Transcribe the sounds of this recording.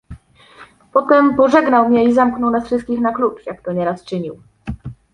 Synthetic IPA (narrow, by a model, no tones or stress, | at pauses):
pɔt̪ɛmpɔʐɛɡnawmɲɛizamknɔwnasfʂɘst̪̚kʲixnaklut͡ʂjakt̪ɔɲɛɾast͡ʂɘɲiw